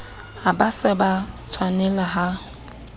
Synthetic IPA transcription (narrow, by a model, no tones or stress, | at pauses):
abasɛbat͡sʰwanɛlaɦa